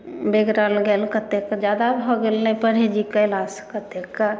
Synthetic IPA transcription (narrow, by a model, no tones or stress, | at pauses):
beɡɾəlɡelkət̪ekd͡ʒad̪abʱɔɡelnəpəɽ̤ed͡ʒikəlaskət̪ekː